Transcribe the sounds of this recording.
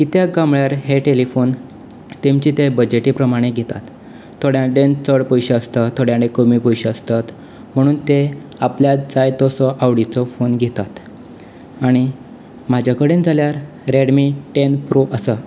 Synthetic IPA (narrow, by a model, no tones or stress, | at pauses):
kit̪jaɡamɭjaɾɦeʈelifon | t̪emt͡ɕiːt̪ebəd͡ʑeʈiːpɾəmaɽ̃eɡʱet̪at̪ | t̪ʰːoɽjãɖent͡səɽpɔjɕeəst̪ət̪ʰoɽjãɖẽkomipojɕeəst̪at̪ | m̤əɽ̃uːnt̪eapljad͡zajt̪ɔsɔʔaʋɽit͡sɔfonɡʱet̪at̪ | aɽ̃i | m̤ad͡ʑʱakəɽend͡zaljaɾ | ɾeɽmiʈenpɾoʔəsə